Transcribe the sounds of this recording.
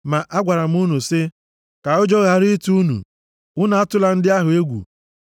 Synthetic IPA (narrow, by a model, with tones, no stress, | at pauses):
ma˨ʔa˦ɡʷa˨ɾa˨m̩˦u˦nu˨sɪ˦ | ka˨ʊ˦d͡ʒo˦ɣa˨ɾi˦tu˦nṵ˨ | ʊ˦na˨a˦tʊ˦la˨n̩˦dɪ˦a˦ɦʊ˨e˦ɡʷṵ˨